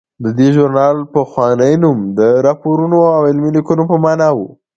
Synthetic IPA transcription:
d̪əd̪eʒʊɾnɑlpəxwɑnəjnumd̪əɾɑpoɾunoawɪlmilikunopəmɑnɑwu

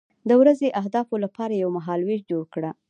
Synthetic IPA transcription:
d̪əwɾazeʔaɦd̪ɑfolapɑɾajawmaɦɑlweʃd͡ʒoɽkɽa

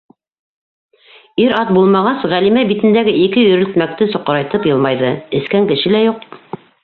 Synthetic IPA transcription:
iɾɑt̪̚bulˠmɑʁɑsʁælimæbit̪ɘ̆nd̪æɡɘʔikɘjɵ̆ɾɵ̆lt̪mæk̚t̪ɘsŏqɤ̆ɾɑjt̪ɤpjɤlˠmɑjðɤɘ̆skæŋkɘ̆ʃɘlæjuq

